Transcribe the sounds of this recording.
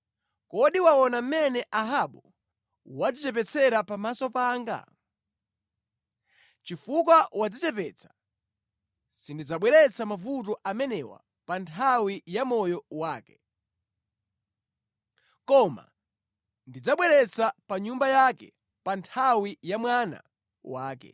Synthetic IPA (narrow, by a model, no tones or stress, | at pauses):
kɔɗiwaɔnam̩mɛnɛʔaɦaɓu | wad͡zit͡ʃɛp̬ɛt͡sʰɛɾapamasɔpaːŋɡa̰ | t͡ʃifuk̬wawad͡zit͡ʃɛpɛːt͡sʰḁ | sindid͡zaɓwɛɾɛt͡samavut̬ɔʔamɛnɛwa̰ | pantʰawijamɔjɔwaːkɛ̥ | kɔma̰ | ndid͡zaɓwɛɾɛt͡sapaɲumbajakɛ̰ | pantʰawijamwana̰ | waːkɛ̰